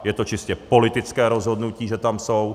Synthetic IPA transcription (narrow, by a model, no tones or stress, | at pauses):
jɛt̪o̞t͡ʃɪscɛpo̞lɪt̪ɪt͡skɛːɾo̞zɦo̞dnuciːʒɛt̪amso̞w